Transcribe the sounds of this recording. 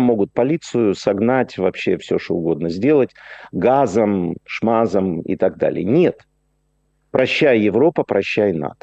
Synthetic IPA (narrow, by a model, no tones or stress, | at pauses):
mːo̞ɡʊt̪̚pɐlʲit̪sɨjʊsɐɡnatʲvɐpɕːe̞fsʲoʂt̪oʊɡo̞d̪nəzʲdʲe̞lˠətʲɡazəmʂmazəmɪ̰t̪aɡ̚d̪a̰lʲɪ̰jənʲe̞t̪ | pɾɐɕːæjjɪvɾo̞pəpɾɐɕːæjna̰t̪ə̥